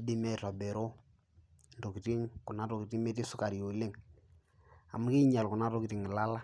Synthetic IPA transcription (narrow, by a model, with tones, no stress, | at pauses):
a˦di˦mɛ˦ta˨bɛ˨ɾo˦ | ndo˨ki˨ti˦ŋkʊ˨na˦to˨ki˨ti˦me˦ti˦sʊ˦ka˨ɾjo˨lɪ˦ŋ | a̰˨mʊ˦ki˦ɲa˨lkʊ˨na˦tɔ˦ki˨tɪ˨ŋɪ˨la˦la˦